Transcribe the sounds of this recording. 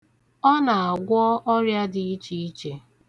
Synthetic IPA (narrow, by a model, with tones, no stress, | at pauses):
ɔ˦na˨a˨ɡʷɔ˦ʔɔ˦ɾja˦dɪ˨i˦t͡ʃi˦i˦t͡ʃe˨